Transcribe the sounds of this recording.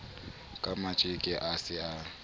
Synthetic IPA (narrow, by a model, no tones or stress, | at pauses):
kʼamat͡ʃʼɪkʼɪʔasɪa